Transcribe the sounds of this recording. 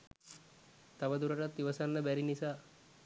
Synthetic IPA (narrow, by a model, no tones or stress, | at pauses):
t̪aʋəd̪uɾəʈat̪ːiʋəsanːəbæɾinisaː